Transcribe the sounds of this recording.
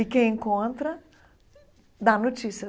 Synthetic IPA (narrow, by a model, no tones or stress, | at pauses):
ɪkẽj̃ẽŋkõnt̪ɾɐ | d̪anot͡ʃisiɐ